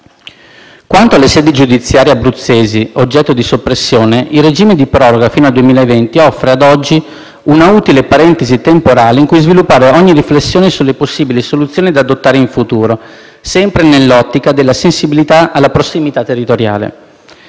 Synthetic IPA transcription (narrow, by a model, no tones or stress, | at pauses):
kwant̪oalːesɛːd̪id͡ʒud̪it̪sːjaːɾjabːɾut̪sːeːziod͡ʒːɛt̪ːod̪isopːɾesːjoːneilred͡ʒiːmed̪ipɾɔːɾoɡafiːnoald̪uemiːlaevɛnt̪iɔfːɾead̪ɔd͡ʒːi | unauːt̪ilepaɾɛnt̪ezit̪empoɾaːleiŋkujzvilupːaːɾeɔɲːiriflesːjoːnesulːeposːiːbilisolut̪sːjoːnid̪aːd̪ot̪ːaːɾeiɱfut̪uːɾo | sɛmpɾenelːɔt̪ːikad̪elːasensibilit̪aʔalːapɾosimit̪at̪ːerːit̪oɾja̰ːlḛ